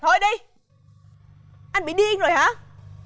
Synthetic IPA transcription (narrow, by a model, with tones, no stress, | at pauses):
t̪ʰo˧jɗi˧j | ʔa˧nɓḭ˧˦ɗi˧ə˧ŋzo˨˩jhaː˨˦